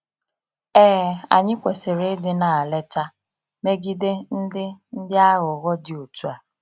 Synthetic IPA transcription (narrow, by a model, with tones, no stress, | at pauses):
ɛː˦a̰˨ɲɪ˦kʷe˨sɪ˨ɾɪ˦dɪ˦na˨a˨le˦ta˦ | me˦ɡi˦de˦n̩˦dɪ˦n̩˦dɪ˦a˦ɣʊ˨ɣɔ˦dɪ˨o˨tu˦a˨